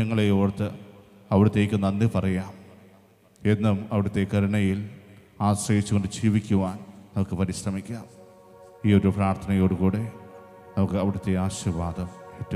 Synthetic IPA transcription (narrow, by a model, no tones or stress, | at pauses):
ɐŋːɐɭejoːɽt̪ːɨ̰ | ɐʋiɽut̪ːe̞kʲːunːɐnːipɐrɐjaːm | e̞nːumɐʋiɽut̪ːe̞kɐɾɐɳɐjil | aːsrɐjit͡ɕːukɣo̞ɳɖɨd͡ʑiːʋikʲːuʋaːnnɐmukːɨpɐɾiɕrɐmikʲːaːm | iːo̞ɾupraːrt̪ʰɐnɐjo̞ːɽukuːɽe̞ | nɐmukːɨɐʋiɽut̪ːe̞aːɕuʋaːd̪ɐmetːu